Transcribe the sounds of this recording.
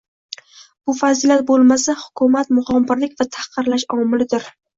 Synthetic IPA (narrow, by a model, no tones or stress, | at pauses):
b̥ʊfazɪljat̪̚bolˠmasahʊ̥kʰʊmat̪mʊχɒmːɪɾlɪk̚ʲvat̪ʰḁqʰɨɾlaʃɒmɪlɪd̪ɪɾ